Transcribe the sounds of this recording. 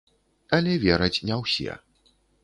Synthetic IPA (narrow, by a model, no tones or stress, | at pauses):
ɐlʲɛvʲɛɾɐt͡sʲnʲɛwsʲeɛ̰